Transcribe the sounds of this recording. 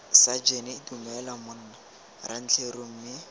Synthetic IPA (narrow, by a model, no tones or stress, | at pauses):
sad͡ʒenɛitumɛlamʊn̩ːna | ran̩t͡ɬʰeroŋ̩ːmɪ